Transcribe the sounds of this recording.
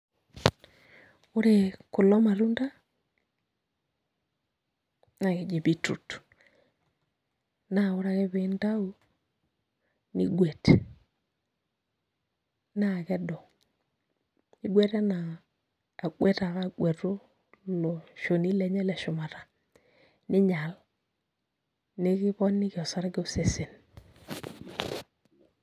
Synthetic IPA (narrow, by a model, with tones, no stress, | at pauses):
ʊ˦ɾe˦˨kʊ˨lɔ˦ma˨ɾu˦nda˦ | na˨kɛ˨d͡ʒe˨bi˦tṵ˨t | na˦˨ʊ˦ɾa˨kɛ˦βe˨˦nda˦o˦ | nḭ˦ɡwɛ˨tɛ˨ | na˦˨kɛ˦dɔ˨ | ni˦ɡwe˦te˦naː˨ | ɡwe˦ta˨ɾa˦˨ɡwe˨to˦ | lo˨ʃo˨ni˦le˦ɲɛ˦le˨ʃʊ˨ma˨ta˨ | ni˦ɲa˨l | ni˦ki˦βɔ˦nːi˦ki˨ɔ˨sa˦ɾɡɛ˦u˦se˨se˨n